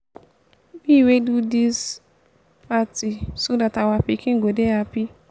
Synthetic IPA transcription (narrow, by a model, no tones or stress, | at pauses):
wiwedudis | patisodatawapikɪ̃ŋ̩ɡodeapi